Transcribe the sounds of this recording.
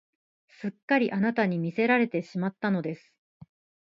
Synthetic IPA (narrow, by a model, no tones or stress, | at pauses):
sɨkːaɾʲiʔanat̪aɲ̟imʲise̞ɾaɾe̞t̪e̞ɕimat̪ːano̞d̪e̞sɨ̥